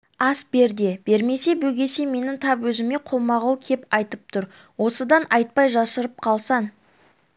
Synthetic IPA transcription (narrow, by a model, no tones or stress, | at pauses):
ɑsbe̞ɾd̪e̞be̞ɾme̞se̞bɵɡʲe̞se̞me̞nɪŋt̪ʰɑpwɵzɪme̞qʰo̞mɑʁuwkʲʰe̞pɑjt̪əp̚t̪ʰʊɾ | wo̞səd̪ɑnʔɑjt̪̚pɑjʒɑsəɾəp̚qʰɑlˠsɑɴ